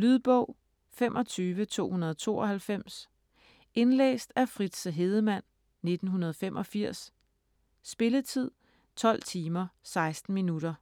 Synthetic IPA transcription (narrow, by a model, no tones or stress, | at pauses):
lyðˠb̥ɔʊ̰ | femʔɒ̽t͡sʰyːʋət͡sʰo̝̰ːhunɐð̞ˠt͡sʰo̝̰ːɒ̽hælfem̰s | e̝nlḛːsd̥æfʁid̥səɦe̝ð̞ˠəmæn̰ | ne̝d̥n̩ɦunɐðˠfem̰ʔɒ̽fiɐ̰sː | b̥e̝lət͡sʰið̞̰ˠ | t͡sʰɒ̽l̰t͡sʰiːmɐsɑ̈ɪsd̥n̩minuɾɐ